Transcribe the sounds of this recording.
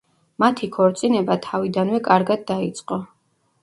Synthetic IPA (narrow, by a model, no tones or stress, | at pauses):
mat̪ʰikʰɔɾt̪sʼinɛbat̪ʰavid̪anvɛkʼaɾɡad̪ːait̪sʼqʼɔ